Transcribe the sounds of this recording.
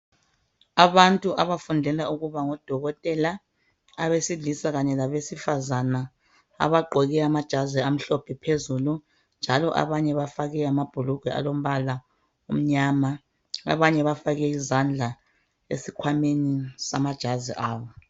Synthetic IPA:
aβantʼuʔaβafundʱɛlauɣuβaŋɔd̥ʱɔɣɔtʼɛlaː | βesiɮisaɣaɲɛlaβesifazana | a̰βaɡ͡ǃʱɔɣɛamad̥ʒ̥ʱaziam̩ɬɔpʰipʰezulu | nd͡ʒʱalɔʔa̰βaɲɛβafaɣɛamab̥ʱuluɡ̥ʱwɛa̰lom̩βala | um̩ɲaːma | a̰βaɲɛβafaɣɛizand͡ɮʱa | ḛsikʰwamenisamad̥ʒ̥ʱazḭʔaːβɔ

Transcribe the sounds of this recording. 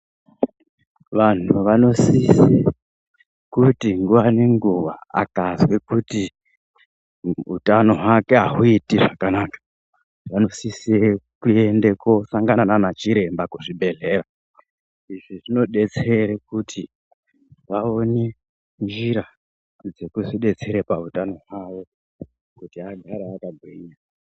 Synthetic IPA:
ʋan̤uʋano̞sise | kutiŋɡuʋaneŋɡuʋa̰a̰kazwekuti | utano̞ɦwake̞ɦaɦuitiʐakanakḁ | ʋano̞sisekue̞ndeko̞saŋɡanananat͡ʃiɾe̞mbakuʐibʱe̞ɮe̞ːra | iʐiʐino̞ɗe̞t͡seɾekutʰi | ʋao̞ne | nd͡ʒiɾa | d͡ze̞kuziɗe̞t͡se̞ɾepautano̞ɦwawo̞ | kutiaɡʱaɾaakabʱwiɲa

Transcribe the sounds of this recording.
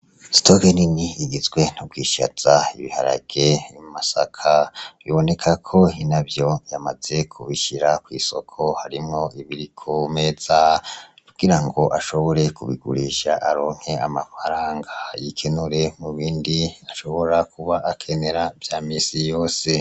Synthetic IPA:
si̥toɡeniniiɡizɡwe̞n̥ub̚ɡwiːʃa̰taiβiha̰ɾa̰ɡ̥e̞imasa̰kʰaβiβo̞ne̞kʰakʰo̞hinabjo̞jamaze̞kʰuβiʃiɾakwiːso̞̰kʰo̞haɾimŋo̞ʔiβiɾikʰome̞z̥akuɡ̥iɾaŋɡo̞ʔaʃoβo̞ɾe̞kuβḭɡṵɾiʃaʔaɾoːŋ̥he̞amafaɾaːŋɡajikʰenuɾe̞muβiːndiaʃo̞βo̞ɾakʰuβaʔːkʰe̞ne̞ɾavjaːmisijoːse̞

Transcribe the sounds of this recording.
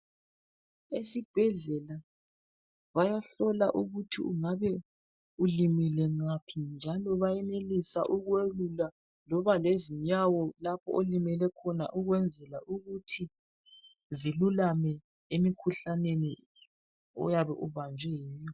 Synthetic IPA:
esib̥ʱɛɮɛla | βajaɬɔlaʔuɣutʰiuŋaβɛ | ulimilɛŋapʰind͡ʒʱalɔβajɛnelisa̰ʔuɣwelula | lɔβaleziɲawɔlapʰɔ̰ʔolimɛlɛkʰɔna̰ʔuɣwɛnd͡zʱɛlaʔuɣutʰi | zilulamɛ | emikʰuɬaneni | ɔ̰jaβɛʔuβand͡ʒʱwɛjɛːjɔ

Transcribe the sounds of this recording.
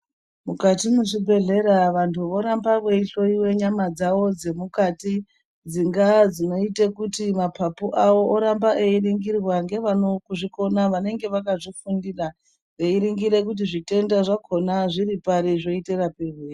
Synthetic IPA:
mukatimuʐibʱe̞ɮe̞ɾaʋantʰuʋo̞ɾambaʋweiɬo̞iwe̞ɲamad͡zawo̞d͡ze̞mukati | d͡ziŋɡad͡zino̞itekutimapʰapuʔawo̞ʔoɾambaʔeiriŋɡirwaŋɡe̞ʋano̞kuʐiko̞naʋane̞ŋɡe̞ʋakaʐifundira | ʋeiɾiŋɡiɾe̞k̬ut̬iʐite̞ndaʐakʰo̞naʐiripaɾiʐo̞iterapeʋeːri

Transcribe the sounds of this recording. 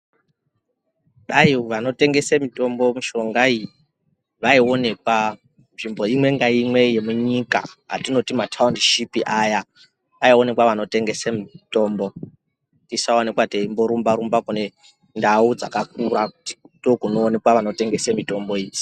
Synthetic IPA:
ɗajiʋano̞te̞ŋɡe̞semito̞mbo̞miʃo̞ŋɡaiji | ʋaio̞ne̞kwa | nʐimbo̞imwe̞ŋɡaimwe̞je̞muɲika̰ɦa̰tino̞timatʰaundiʃipiʔaja | ʋaione̞kwaʋano̞te̞ŋɡe̞semito̞ːmbo̞ | ntisaone̞kwateimbo̞ɾumbaɾumbakune̞ | ndaud͡za̰kak̚uɾakuti̥tokunoːne̞kwaʋano̞te̞ŋɡe̞semito̞mbo̞iːd͡zi̥

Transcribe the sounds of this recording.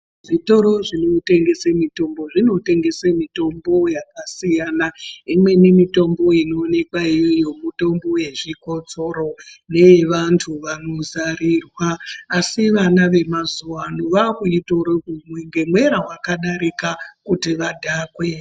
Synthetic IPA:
ʐito̞ɾo̞ʐinote̞ŋɡe̞semito̞mbo̞ʐino̞te̞ŋɡe̞semito̞mbo̞jakasijanaimwe̞nimito̞mbo̞ino̞ːne̞kwaijojo̞muto̞mbo̞we̞ʐiko̞t͡so̞ɾo̞ne̞ʋantʰuʋano̞zarirwaːsiʋanaʋe̞mazuwanoʋakuito̞ɾokumweŋɡe̞mwe̞ɾawakaɗaɾikakutiʋadʱaːkwe̞

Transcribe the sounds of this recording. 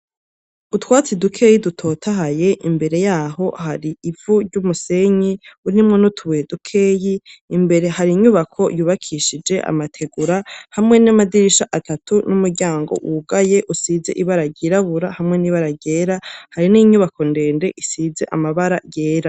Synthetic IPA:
utwaːt͡sidukʰe̞ːjidutʰo̞ːtʰaɦaje̞ʔimbe̞ɾe̞jaːɦo̞haɾiivuɾɟumuse̞ɲiuɾimŋonutʰuβedukʰeːjiːmbeɾehaɾiɲuβakʰo̞juːβakʰiʃid͡ʒe̞ʔa̰matʰe̞ɡuɾahamŋe̞namadiɾiʃaʔatʰatunumuɾɟaːŋɡo̞̰ʔuɡaje̞ʔusiːze̞ʔiβaɾaɾɟiɾaβuɾahamŋe̞niβaɾaɟe̞ːɾahaɾiniɲuβako̞nde̞ːnde̞ʔisize̞̰ʔamaβaɾaje̞ːɾa

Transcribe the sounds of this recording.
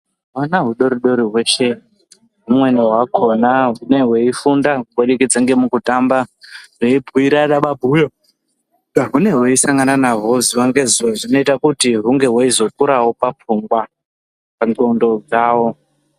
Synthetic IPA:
wanaɦuɗo̞ɾiɗoɾiɦwe̞ʃe | ɦumwe̞neɦwakʰo̞naɦune̞we̞ifundauwoɗikid͡zaŋɡe̞mukutambareibʱuiɾaɗaɓabʱujo | aɦune̞we̞isaŋɡananaɦo̞ziwaŋɡeziaʐino̞itakutiɦuŋɡe̞ɦwaizo̞kuɾawo̞pap͡fuŋɡwa | paɡondo̞d͡zaːwo̞

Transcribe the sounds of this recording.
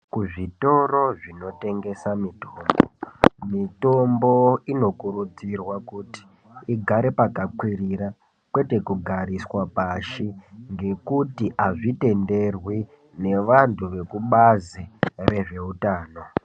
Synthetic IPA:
kuʐito̞ro̞ʐino̞te̞ŋɡe̞samitombo̰mito̞mbo̞ino̞kuɾud͡zirwakuti̥ː | ɡʱaɾepakakwiriɾa | kwe̞te̞kuɡʱaɾiswapaʃiŋɡe̞kutiʔaʐite̞nde̞rwi | ne̞ʋantʰuʋe̞kuɓazire̞ʐe̞utaːno̞

